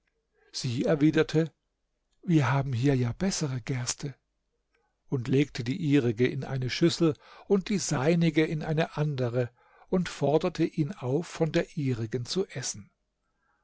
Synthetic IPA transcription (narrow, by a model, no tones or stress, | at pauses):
z̥iːɛɐviːdɐtʰə | viːɐɦaːbm̩ɦiːɐjaːbɛsəʁəɡɛɐstʰə | ʔʊntleːktʰədiːʔiːʁɪɡəʔɪnʔa̰ɪnəʃʏsl̩ʊnt̚d̥iːzaɪnɪɡəɪnʔaɪnəʔandəʁə | ʔʊntfɔɐdɐtʰəʔiːnaʊfːɔndeːɐʔiːʁɪɡnt͡suʔɛsn̩